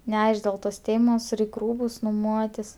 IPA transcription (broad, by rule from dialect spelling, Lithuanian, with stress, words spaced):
nʲɛˈɐɪʃk dʲeːlˠ ˈtoːs ˈtʲeːmoːs ˈrʲɛɪkʲ ˈruːbʊs nʊˈmuɔtʲɪs